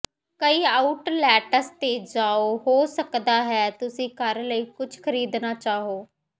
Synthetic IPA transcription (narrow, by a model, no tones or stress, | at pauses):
kəiːaːʊʈlɛːʈəst̪eːd͡ʒaːoːɦoːsəkd̪aːɦɛːt̪ʊsĩːkəɾləiːkʊt͡ʃʰkʰəɾiːd̪naːt͡ʃaːɦoː